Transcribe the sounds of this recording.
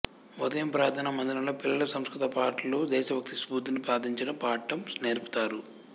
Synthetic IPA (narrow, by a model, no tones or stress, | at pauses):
ud̪ɐjɐmpɾaːt̪ʰɐnɐmɐnd̪inɐloːpilːɐlɐsɐmskɾit̪ɐpaːʈloːd̪ɛːʃɐʋjɐk̚t̪isbuːd̪inipɾaːd̪ʱiɲt͡ʃinɐpaːʈːɐmsneːɾpu̥t̪aːɾu